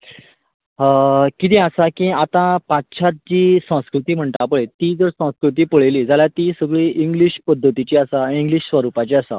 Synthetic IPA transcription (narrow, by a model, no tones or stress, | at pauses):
kit̪ẽasakĩat̪ãpat̪ɕʰat̪̚d͡ʑiːsə̃w̃skɾut̪iːm̤əɳʈ̪apəɭet̪id͡zəɾsə̃w̃skɾut̪̬iːpəɭeliːd͡zaljat̪isəɡɭiʔiŋɡliɕpəd̪ʱːət̪it͡ɕeasaiŋɡliɕsʋəɾupat͡ɕeasa̰